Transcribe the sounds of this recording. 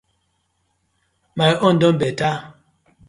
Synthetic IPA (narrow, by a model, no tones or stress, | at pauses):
maʔɔn̩dɔmbɛta